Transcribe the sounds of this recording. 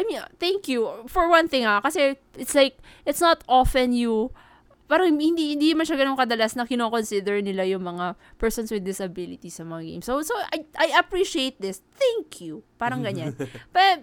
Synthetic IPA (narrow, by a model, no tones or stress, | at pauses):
ʔamiθɛ̃ŋkjufɔɹwɐ̃nθɪ̃ŋhakɐsɛ | ʔɪt̪slajk̚ʔɪt̪snɐt̪ʔofɛnju | paːɾɐŋhɪnd̪ihɪnd̪iːnɐmanʃaɡɐnoŋkɐd̪ɐlasnɐkɪnokonsɪd̪ɛɹnɪlajʊŋmɐŋapɛɹsɔnswɪd̪ːɪsɐbɪlɪt̪isɐmɐŋaɡḛjmsosoʔajʔajʔɐpɹiʃiejt̪̚d̪ɪsθɛ̃ŋkʰjupaːɾɐŋɡɐɲannpɛɐ